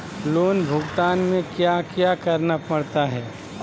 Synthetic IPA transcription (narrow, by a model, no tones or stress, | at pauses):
loːnbʱʊɡt̪aːnmẽkjakjakɐɾnapɐɽt̪aɦɛː